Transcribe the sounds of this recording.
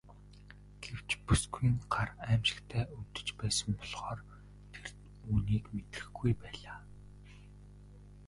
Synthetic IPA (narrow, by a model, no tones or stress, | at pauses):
ɡ̥ew̥t͡ɕpusɡujɪ̆ŋɢaræːmʃɪ̥̆kt̪ʰæːut̪ɵ̥̆t͡ɕpæːsə̆mpɔɮʁ̥ɔːr | t̪ʰer | uːniːkmet̪ɘ̥̆xɡujpæːɮaː